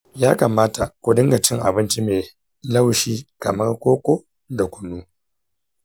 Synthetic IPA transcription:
jaː˦ka˨maː˦ta˨kʷʊ˨dɪ˦ŋɡa˨t͡ʃɪ˦ŋʔa̰˨bɪ˦nt͡ʃi˦meː˨ | la˦˨wʃiː˦kɐ˨mɐ˦rkʷoː˦kʷo˦ | da˨kʷʊ˨nːuː˦

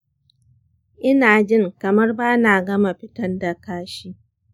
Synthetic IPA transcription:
ʔɪ˦naː˨d͡ʒɪ˦˨ŋkɐ˨mɐ˦rbaː˦naː˨ɡɐ˦ma˨ɸɪ˦tɐ˦nda˨kaː˦ʃiː˦

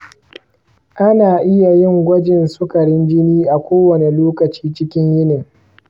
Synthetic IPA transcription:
ʔa˦naː˨ʔɪ˦ja˨jɪ˦ŋɡʷɐ˦d͡ʒɪ˨nsʊ˦kɐ˨ɽɪ˦nd͡ʒɪ˦niː˦ʔa˨kʷoː˦wɐ˨ne˨loː˦kɐ˨t͡ʃiː˦t͡ʃɪ˦kʲɪ˦ɲjɪ˦nɪ˨ŋ

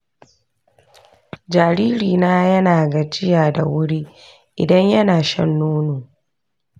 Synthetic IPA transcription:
d͡ʒaː˨ɾiː˦ɾiː˨naː˦jɐ˦naː˨ɡa˨t͡ʃɪ˦jaː˨da˨wʊ˦ɽi˦ | ʔɪ̰˨dɐ˦ɲjɐ˦naː˨ʃɐ̰˦nːuː˦noː˨

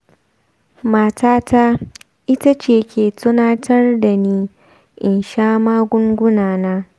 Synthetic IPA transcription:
maː˦taː˦ta˦ | ʔɪ˦ta˦t͡ʃeː˨kʲʰeː˨tʊ˦naː˦tʰɐ˦rda˨niː˦ | ʔɪ˨nʃaː˦maː˦ɡʷʊ˦ŋɡʷʊ˦naː˨naː˦

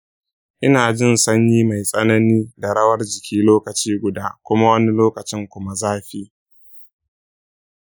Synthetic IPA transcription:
ʔɪ˦naː˨d͡ʒɪ˦nsɐ˦ɲjiː˦ma˨jsʼɐ˦nɐ˦niː˦da˨ɽɐ˦wɐ˦rd͡ʒɪ˨kʲʰiː˦loː˦kɐ˨t͡ʃiː˦ɡʷʊ˨daː˦kʷʊ˦ma˦wɐ˦ni˦loː˦kɐ˨t͡ʃɪ˦ŋkʷʊ˦ma˦zaː˦ɸiː˦

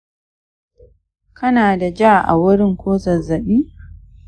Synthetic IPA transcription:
kʰɐ˦naː˨da˨d͡ʒaː˦˨ʔa̰˨wʊ˦ɽɪ˦ŋkʷoː˦zɐ˨zɐ˨ɓiː˦

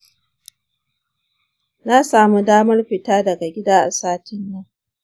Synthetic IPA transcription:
na˦saː˨mu˦daː˦mɐ˦rɸɪ˨taː˦dɐ˨ɡa˨ɡʲɪ˦daː˦ʔa̰˨saː˦tɪ˦nːɐ˦ŋ

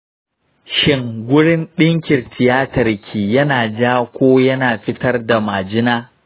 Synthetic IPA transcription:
ʃɪ˦ŋɡʷʊ˦ɽɪ˦nɗɪ˦ŋkʲɪ˨rtʰɪ˨jaː˦tɐ˨rkʲʰiː˨jɐ˦naː˨d͡ʒaː˦kʷoː˦jɐ˦naː˨ɸɪ˦tɐ˦rda˨maː˨d͡ʒɪ˦naː˦

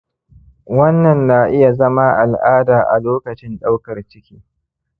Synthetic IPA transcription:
wɐ˦nːɐ˨nːaː˨ʔɪ˦ja˨zɐ˦ma˦ʔa˨lʔaː˦daː˨ʔa̰˨loː˦kɐ˨t͡ʃɪ˦nɗa˦wkɐ˨rt͡ʃɪ˦kʲiː˦

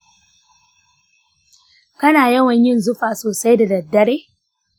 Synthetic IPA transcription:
kɐ˦naː˨jɐ˦wɐ˨ɲjɪ˦˨nzʊ˦ɸaː˨soː˨sa˦jda˨dɐ˨dːɐ˦ɽeː˦

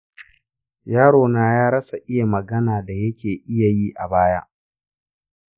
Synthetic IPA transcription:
jaː˦ɽoː˨naː˦jaː˦ɾɐ˦sa˨ʔɪ˦ja˨mɐ˨ɡɐ˦naː˨da˨jɐ˦kʲeː˨ʔɪ˦ja˨jiː˦ʔa˨baː˦ja̰˦ʔ

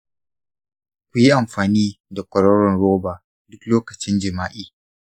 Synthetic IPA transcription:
kʷʊ˨ji˦ʔa˨mɸaː˨niː˦da˨kʷɔ˨ɽɔ˦ɽɔ˨nɽoː˦baː˨ | dʊ˦kloː˦kɐ˨t͡ʃɪ˦nd͡ʒɪ˨maː˦ʔiː˦˨

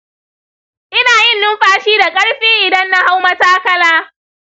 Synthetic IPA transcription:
ʔɪ˦naː˨jɪ˦˨nːʊ˦mɸaː˦ʃiː˦da˨kʼɐ˦ɽɸiː˦ʔɪ˨dɐ˦nːa˦ha˦wmɐ˦taː˦kɐ˦laː˦

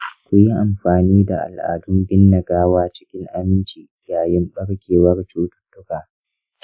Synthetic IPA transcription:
kʷʊ˨ji˦ʔa˨mɸaː˨niː˦da˨ʔa̰˨lʔa̰ː˨dʊ˦mbɪ˦nːɐ˨ɡaː˦waː˦t͡ʃɪ̥˦kʲɪ˦ŋʔa˦mɪ˦nt͡ʃiː˨jaː˨jɪ˦mɓɐ˦ɽkʲeː˨wɐ˦rt͡ʃuː˦tʊ̥˦˨tʼʊ˦kaː˨

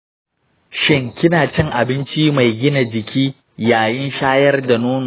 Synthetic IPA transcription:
ʃɪ˦ŋkʲɪ˦naː˨t͡ʃɪ˦ŋʔa˨bɪ˦nt͡ʃi˦ma˨jɡʲɪ˦na˨d͡ʒɪ˨kʲiː˦ | jaː˨jɪ˦nʃaː˦jɐ˦rda˨noː˦n˨

